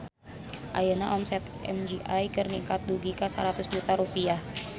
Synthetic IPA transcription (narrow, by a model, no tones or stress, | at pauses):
ʔa̰jənaʔɔmsɛt̪ | ɛ̰md͡ʒiʔajkərnikat̪̚duɡikasa̰ɾat̪ʊsd͡ʒut̪aɾupiah